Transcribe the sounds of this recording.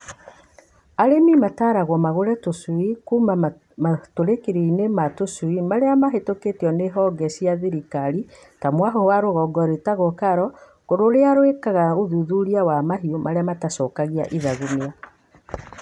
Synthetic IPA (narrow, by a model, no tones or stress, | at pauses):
aɾemimataːɾaɣwɔmaɣoɾɛtosuikuːma | matoɾekiɾeinematoswimaɾeamaɦetoketiɔneɦɔɡɛsiaðiɾikaɾi | tamwaɦɔwaɾoɣɔɡɔɾetaɣokaɾɔ | koɾoɾeaɾwekaɣaoðuðuɾiawamaɦiomʔaɾeamatasɔːkaɣia̰ʔiðaɣumia